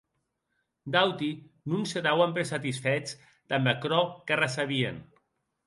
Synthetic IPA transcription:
d̪awt̪i | nũnseðawampeɾsat̪isfɛt͡s | d̪̥ambakɾɔkarasaβien

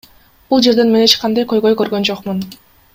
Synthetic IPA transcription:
b̥ulˠd͡ʒe̞ɾd̪e̞nme̞net͡ʃqʰɑnd̪ɑjkø̞jɡø̞jkø̞ɾɡø̞nd͡ʒoqmun

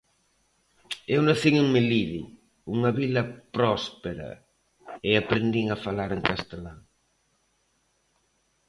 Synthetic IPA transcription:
ewnaθiŋeŋmeliði | uŋɐβilɐpɾɔspeɾɐ̰ | eapɾend̪iŋafalaɾeŋkast̪elaŋ

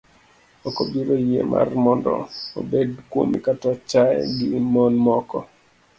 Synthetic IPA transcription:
okobiɾojḛmʔa̰rmɔndɔ̰o̰bedkwo̰mikatɔt͡ʃaɛ̰ɡɪːmɔnmɔkɔ

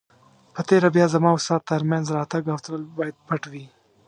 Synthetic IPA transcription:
pət̪eɾabjɑzamɑʊst̪ɑt̪̚t̪ːaɾmjanzɾɑt̪aɡawt̪ɾəlbɑjad̪̚paʈwi

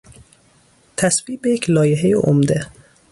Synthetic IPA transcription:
t̪ʰæsviːbejekʰlɒːjeɦejḛʔo̰md̪e

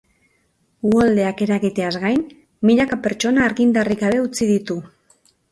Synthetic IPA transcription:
uald̪e̞ake̞ɾaɣit̪e̞azɣajn | miʎakape̞ɾt͡ʃo̞naːɾɣind̪ariɣaβe̞ut͡siðit̪u

